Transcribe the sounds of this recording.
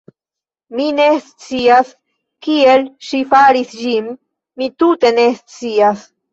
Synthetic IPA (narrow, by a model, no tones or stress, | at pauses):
minest͡sias | kielʃifaɾisd͡ʒimː | itute̞nest͡sias